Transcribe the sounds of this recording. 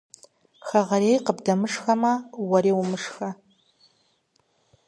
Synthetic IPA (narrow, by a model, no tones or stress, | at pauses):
xɐʁɐɾeːjqəbdɐmɨʂxɐmɐwɐɾeːwumɨʂxɐ